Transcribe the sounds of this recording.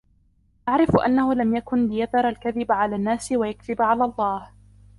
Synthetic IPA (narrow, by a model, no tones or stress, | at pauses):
ʔaʕɾɪfʔa̰nːahʊlamjakʊnlɪjaðɑɾˤalkaðɪbʕalaːnːaːsɪwajakðɪbʕalaːlˤːɑːh